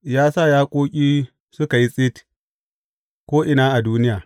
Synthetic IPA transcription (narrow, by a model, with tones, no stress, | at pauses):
jaː˦sa˦˨jaː˦kʷʼoː˦kʲʼiː˦ | sʊ˦ka˨ji˦sʼɪ˦t | kʷoː˦ʔɪ˨naː˦ʔa˨duː˦nɪ˦jaː˨